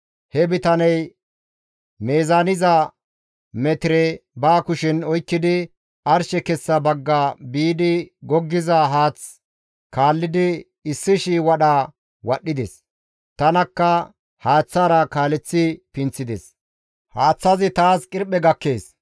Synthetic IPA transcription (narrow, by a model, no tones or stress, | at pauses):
hɛbɪt̪ɐnɛj | meːzaːnɪzɐ | mɛt̪ɪɾɛbaːkʊʃɪnɔjkːɪd̪ɪ | ɐɾʃɛkɛsːɐbɐɡːabiːd̪ɪɡɔɡːɪzɐɦaːt͡s | kaːlːɪd̪ɪ | ɪsːɪʃiwɐɗa | wɐɗːɪd̪ɛs | t̪ɐnɐkːɐ | haːt͡sːaːɾɐkaːlɛt͡sːɪpɪnt͡sːɪd̪ɛ̰s | haːt͡sːɐzɪt̪aːskʼɪɾpːɛɡɐkːeːs